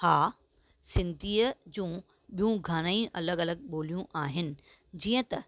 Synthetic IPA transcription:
haː | sɪ̃nd̪ʱiːəd͡ʑũː | ɓijũɡʱaːɽ̃aĩʔɐləɡɐləɡ̚ɓoːlijũʔaːɦɪnɪ̆ | d͡ʑiːə̃t̪ɐ

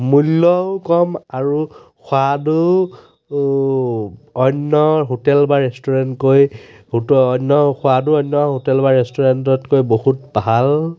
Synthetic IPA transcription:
mulːɔwkɔmaɹu | xwadu | ɔnːɔɦotɛlbaɹɛstɔɹɛntkoj | hotɔːnːɔxʰʊaduɔnːɔɦotɛlbaɹɛstɔɹɛntɔtkojbohutbal

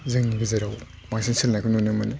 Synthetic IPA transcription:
zɯŋɡizeɾaw | masinsilnakʰunonɯmɯni

